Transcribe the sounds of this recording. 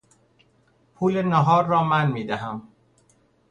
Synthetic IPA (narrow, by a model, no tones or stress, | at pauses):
pʰuːlenɔɦɔːɾɔːmaːnmiːd̪aɦam